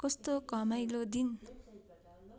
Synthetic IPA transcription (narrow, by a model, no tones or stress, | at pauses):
kʌst̪okʌmajlod̪in